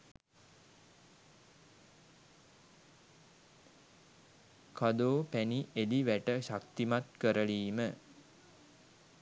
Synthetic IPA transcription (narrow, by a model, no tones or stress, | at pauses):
kʰad̪oːpæniʔed̪iʋæʈəʃakt̪imat̪kəɾəliːmə